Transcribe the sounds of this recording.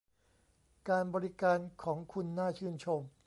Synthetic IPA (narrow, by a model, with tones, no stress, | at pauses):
kaː˧nbɔː˧ɾi˦˥kaː˧nkʰɔː˩˦ŋkʰu˧nːaː˥˩t͡ɕʰɯː˥˩nt͡ɕʰo˧m